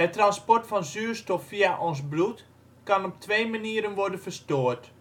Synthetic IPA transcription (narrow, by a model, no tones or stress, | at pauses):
ɛtranspɔrtfɔnzyːrstɔfːiaʔɔnsblut | kanɔp̚tʰʋeːmaniəɾənʋɔrdənfərstoːərt